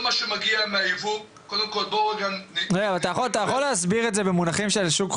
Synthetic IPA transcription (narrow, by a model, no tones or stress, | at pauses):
maʃemaɡiameaivu | kod̪emkolboeɡamʁeɡavalt̪ajaχolat̪ajaχo̞lːeasbiʁetze̞bemunaχimʃelʃuk